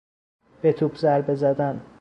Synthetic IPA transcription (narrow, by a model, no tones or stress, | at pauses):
b̥et̪ʰupʰzæɾbezæd̪æn